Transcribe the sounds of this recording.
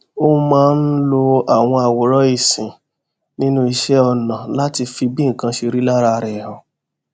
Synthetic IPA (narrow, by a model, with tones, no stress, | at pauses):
o˦mãː˦n̩˦lo˧a˨w̃ɔ̃˧a˨wɔ˨ɾɔ˦i˦˨sĩ˨ | nĩ˦nũ˦i˧ʃɛ˦ɔ˧nã˨la˦ti˧fi˧bĩ˦ŋ̩˨kã˧ʃi˧ɾi˦la˦ɾa˧ɾɛ˨hɔ˨